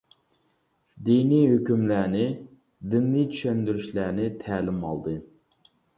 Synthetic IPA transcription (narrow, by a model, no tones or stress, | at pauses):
d̪iniɦøkʲymlænɪ | d̪ɪnːijt͡ʃʰy̥ʃɛnd̪yɾyʃlænɪt̪ʰæːlɪmɑ̰lˠd̪ɨ